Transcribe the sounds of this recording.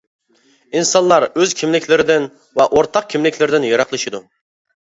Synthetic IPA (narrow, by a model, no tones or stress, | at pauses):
insɑnlˠɑɾøzkʲʰimlɪkʲʰlɪɾɪd̪ɪn | vɛʔoɾt̪ʰɑq̚kʲʰimlɪkʲʰlɪɾɪd̪ɪnjɑɾɑqlˠɨʃid̪u